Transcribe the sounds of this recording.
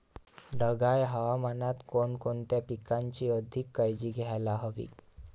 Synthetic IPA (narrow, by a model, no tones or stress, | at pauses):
ɖəɡajɦəʋamanat̪konkont̪japikaɲt͡ɕiːəd̪ʱikːajd͡ʑiːɡʱajlaɦəʋḭː